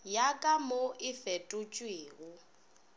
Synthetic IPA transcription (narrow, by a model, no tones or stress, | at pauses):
jakʼamoʔɪfɛtʼʊt͡ʃʼweːɣʊ